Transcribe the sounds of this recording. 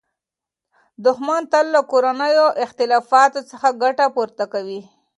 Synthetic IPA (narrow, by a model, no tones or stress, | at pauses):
d̪ʊxmɑnt̪əlːakoɾanəjoʔɪxt̪ɪlɑfɑt̪ot͡səxaɡaʈapuɾt̪akawi